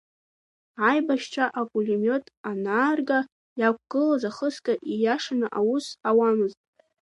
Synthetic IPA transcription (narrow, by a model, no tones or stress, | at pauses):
ajbaʃt͡ʃʷʰaʔapʼulimʲo̞tʼanaːrɡa | jak̚ʷʰʼɡ̥ɨlazaχəskʼaʔijaʂanaʔawʊsawamɨztʼ